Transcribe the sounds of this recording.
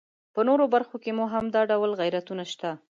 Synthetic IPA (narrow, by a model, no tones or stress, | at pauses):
pənoɾobaɾxokemuɦamd̪ɑɖawlɣajɾat̪unaʃt̪a